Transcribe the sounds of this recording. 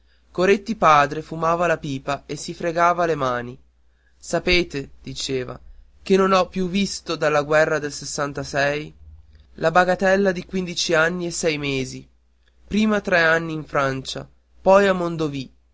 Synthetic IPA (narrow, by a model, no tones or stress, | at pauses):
koɾet̪ːipaːd̪ɾefumaːvalapiːpaesːifɾeɡaːvalemaːni | sapeːt̪ed̪̥it͡ʃeːva̰ | k̟enːonɔpːjuvːist̪od̪alːaɡwɛrːad̪elsesːant̪asɛj | lʔabaɡat̪ɛlːad̪ikwind̪it͡ʃianːiesɛjmeːzi | pɾiːmat̪ɾɛanːiːɱfɾant͡ʃa̰ | pɔjamːond̪ovi